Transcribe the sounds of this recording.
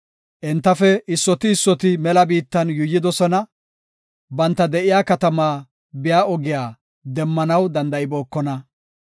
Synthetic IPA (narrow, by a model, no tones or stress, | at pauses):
ʔɛnt̪ːɐfɛɪsːɔt̪ɪːsːɔt̪ɪmɛlɐbiːt̪ːɐnjʊjːɪd̪ɔsɔnɐ | bɐnt̪ːɐd̪ɛʔɪjaːkɐt̪ɐmaː | bɪjaːɔɡɪjaː | d̪ɛmːɐnɐwd̪ɐnd̪ɐɪboːkːɔnɐ